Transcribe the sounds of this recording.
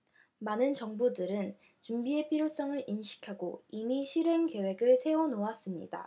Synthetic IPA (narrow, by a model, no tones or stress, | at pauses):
manɯnt͡ɕʌŋbudɯɾɯn | t͡ɕumbie̞pʰiɾjos͈ʌŋɯɾinɕʰi̥kʰaɡo̰imiɕʰiɾenke̞we̞ɡɯɭsʰe̞onowas͈ɯmɲḭda̰